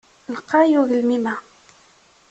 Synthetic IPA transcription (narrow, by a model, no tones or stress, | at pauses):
lqɑjuɣəlmima